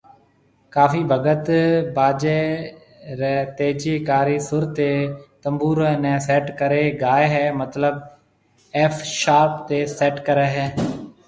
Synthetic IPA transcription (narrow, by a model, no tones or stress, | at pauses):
kaːfiːbʱəɡət̪baːd͡ʒeː | ɾɛːt̪eːd͡ʒiːkaːɾiːsʊɾt̪eːt̪əmbuːɾenɛ̃ːsɛːʈkəɾeːɡaːeɦɛːmət̪ləb̚ | ɛːfʰʃaːɾpt̪eːsɛːʈkəɾeːɦɛː